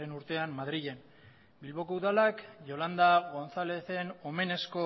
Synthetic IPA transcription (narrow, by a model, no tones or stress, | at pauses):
enuɾt̪e̞ammːaðɾiɣe̞n | bilβo̞kouðalakʝo̞land̪aɣo̞nsale̞θe̞no̞me̞ne̞sko̞